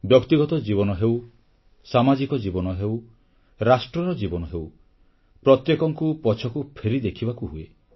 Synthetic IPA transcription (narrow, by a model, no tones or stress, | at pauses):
bjɔkt̪iɡɔt̪ɔd͡ʒibɔnɔɦew | samad͡ʒikɔd͡ʒibɔnɔɦew | ɾasʈɾɔɾɔd͡ʒibɔnɔɦew | pɾɔt̪jekɔŋkupɔt͡ʃʰɔkupʰeɾid̪ekʰibakuɦue